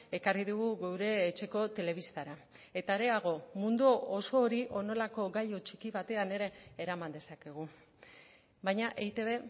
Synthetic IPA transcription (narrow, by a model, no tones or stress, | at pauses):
e̞kariðuɣuɣewɾe̞ːt͡ʃe̞ko̞t̪e̞le̞β̞ist̪aɾa | e̞t̪aeɾe̞aɣo̞mund̪uoso̞ːɾiʔo̞no̞lako̞ɡajo̞t͡ʃikiβat̪e̞ane̞ɾe̞ːɾamand̪e̞sake̞ɣ̞u | bajɲaʔeit̪e̞βe̞